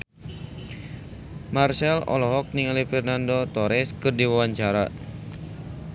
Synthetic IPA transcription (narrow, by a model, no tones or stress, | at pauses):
marsɛlɔ̰lɔɦɔk̚niŋalifɛrnandot̪ɔɾɛskɨrdiwawaɲt͡ʃaɾa